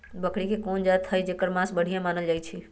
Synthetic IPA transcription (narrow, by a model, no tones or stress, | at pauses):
bəkɽikekoːnd͡ʒat̪ʰːəjd͡ʒekəɾmãsbəɽ̤ʱijãmaːnəld͡ʒaːjt͡ʃʰi